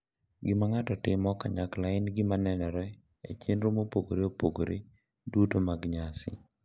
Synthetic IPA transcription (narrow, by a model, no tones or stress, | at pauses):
ɡɪmaŋatɔtɪmɔka̰ɲaklaɪnɡɪmanɛnɛɾɛ | ḛt͡ʃenɾomopoɡoɾeopoɡoɾe | dutomaɡɲasɪ̰